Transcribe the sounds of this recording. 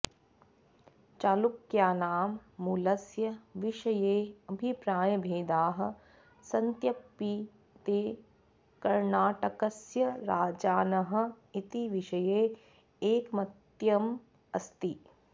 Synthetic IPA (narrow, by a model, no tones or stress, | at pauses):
t͡ʃaːlukjaːnaːmːulɐsjɐʋɪʃɐjeːɐbʱipɾaːjɐbʱeːd̪aːɦɐ̆ | sɐnt̪jɐpːi | t̪eː | kɐɾnaːʈɐkɐsjɐɾaːd͡ʒaːnɐɦɐ̆ | it̪iʋɪʃɐjeː | eːkmɐt̪jɐm | ɐst̪i